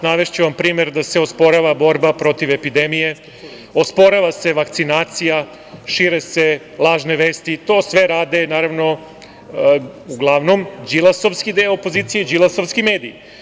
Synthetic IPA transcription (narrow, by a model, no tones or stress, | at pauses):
naʋeʃt͡ɕeʋampɾiːme̞ɾd̪aseospo̞ɾaʋabo̞ɾbapɾo̞t̪iʋepid̪emije̞ | o̞spo̞ɾaʋase̞ʋakt̪sinaːt̪sija | ʃiɾese̞ | lˠaːʒneʋeːst̪it̪o̞sʋe̞ɾaːd̪e̞naːɾaʋno̞ | uɡlˠaʋno̞md͡ʒilˠasoʋskid̪eoopoziːt̪sijed͡ʒilˠaso̞ʋskime̞ːd̪ḭji